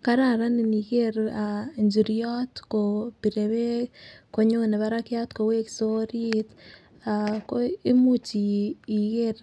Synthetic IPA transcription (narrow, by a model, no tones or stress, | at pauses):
kaɾaɾaniniɣeɾaɲd͡ʒiɾijɔtkopiɾeβekoɲoneβaɾakjatkoweki̥soɾit | akoemut͡ʃiːɣeɾ